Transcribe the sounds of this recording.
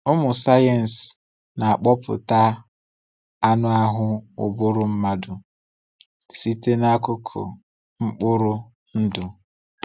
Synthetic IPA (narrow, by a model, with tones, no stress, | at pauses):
ʊ˦mʊ˨sa˦je˨n̩˨s | na˨a˨k͡pɔ˦pʊ̰˨ta˦ | a˦nʊ˦a˦ɦʊ˦ʊ̰˨bʊ˦ɾʊ˦m̩˦ma˦dʊ˨ | si˦te˦na˦kʊ˦kʰʊ̰˨ | ŋ͡m̩˦k͡pʊ˦ɾʊ˦ | n̩˦dʊ˨